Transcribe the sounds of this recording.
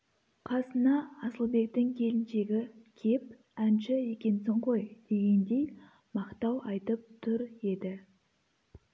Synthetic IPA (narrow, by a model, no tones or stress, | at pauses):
qʰɑsənɑːsəlˠbe̞k̚t̪ɪŋkʲʰe̞lɪnʃe̞ɡʲɪkʲʰe̞p̚ | ænʃɪe̞kʲe̞nsoɴqo̞jd̪̥e̞ɡʲe̞nd̪e̞j | mɑqt̪ɑwɑjt̪əp̚t̪ʰʊɾe̞d̪ɪ